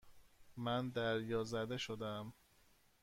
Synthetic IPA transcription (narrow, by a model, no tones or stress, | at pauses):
mænd̪æɾjɒːzæd̪e̞ʃod̪æm